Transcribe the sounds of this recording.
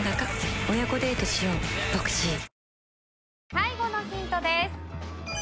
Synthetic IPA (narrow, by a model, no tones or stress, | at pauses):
nakakɯ̥ojako̞d̪e̞ːt̪oɕijõŋt̪okɯ̟̥ɕi | saiɡo̞no̞çĩnt̪o̞d̪e̞sɨ̥